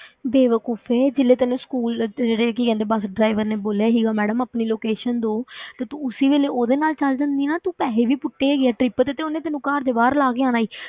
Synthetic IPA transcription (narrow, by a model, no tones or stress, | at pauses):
beːʋəkuːpʰeːd͡ʒɪlːeːt̪ənũːskuːld͡ʒeːɽeːk̬iːkɛ̃ːnd̪eːbəsɖɾaːɪʋəɾneːboːljaːɦiːɡaːmɛːɖəmaːpniːloːkeːʃənd̪oːt̪aːt̪ũʊsiːʋeːleːoːd̪eːnaːlt͡ʃəld̪ənd̪iːnaːt̪ũːpɛːleːʋiːpʊʈːeːɡeaːʈɾɪpt̪et̪eːonẽːt̪ənːũːkaːɾd̪eːbaːɾlaːɡeãːnaːiː